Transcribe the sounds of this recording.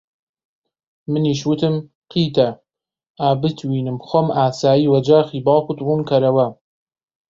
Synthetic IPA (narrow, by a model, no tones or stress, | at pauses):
mɨniːʃwɨt̪ɨm | qʰiːt̪ʰɐ | aːbɨt̪ʰwiːnɨmxʷomaːsaːjiːwɐd͡ʒaːxiːbɑːkʷʊt̪ruːnkʰɐɾɐwɐ